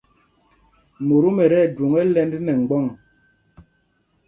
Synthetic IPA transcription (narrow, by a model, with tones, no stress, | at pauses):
mo˨ɾu˦mɛ˨ɾɛ˦˨dwo˨ŋɛ˦lɛ˦ndnɛ˨ŋ̩˨ɡ͡bɔ˦˨ŋ